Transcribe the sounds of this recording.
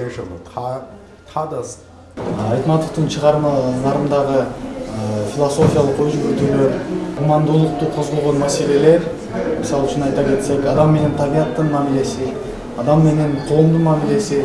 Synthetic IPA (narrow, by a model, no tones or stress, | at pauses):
eʃ | t̪ʰɑd̪əs | ɑjt̪mɑt̪ːəq̚t̪əɴʃʰəʁɑɾzɑɾəmd̪ɑʁə | fʲilˠoso̞fʲijɑlˠəqojʒɪɡʲɵɾt̪ewɪumɑnd̪ulˠəq̚t̪əqʰo̞zʁolˠʁonmæse̞le̞le̞ɾ | mɪsɑlˠɪʃɪnɑjt̪ɑkʲʰe̞t̪se̞kɑd̪ɑmːe̞ne̞nt̪ʰɑbijɑt̪ːəɴmæmile̞sɪ | ɑd̪ɑmːe̞ne̞nqʰolˠəmd̪əmæmile̞sɪ